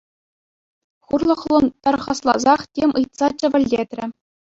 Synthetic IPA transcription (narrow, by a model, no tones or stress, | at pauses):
χurlˠɤ̆χlˠɤ̆nt̪ɑrʁɑslˠɑzɑχtʲemʲʔɯjt̪sɑt͡ɕɘ̆ʋʲɘ̆lʲdʲet̪ʲrʲɘ̆